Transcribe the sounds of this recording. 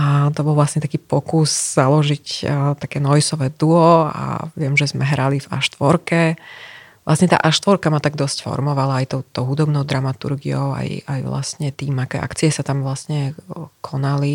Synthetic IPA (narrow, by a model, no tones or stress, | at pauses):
at̪ɔbɔlˠʋlasɲɛt̪akiːpɔkusz̥alɔʒict̪akɛːnɔjsɔʋɛːd̪uɔa̰ʋɪɛmʒɛzmɛɦɾaliva̰ʃt̪ʋɔɾkɛ | ʋla̰sɲɛt̪a̰ːʔaʃt̪ʋɔɾkamat̪aɡ̚d̪ɔscfɔ̰ɾmɔʋalaajt̪ɔʊt̪ɔʊɦud̪ɔbnɔʊd̪ɾamat̪ṵɾɡḭɔʊa̰jajʋla̰stɲɛt̪iːmakɛ̰ːʔa̰kt͡siɛsat̪amʋlasɲɛkʰɔnali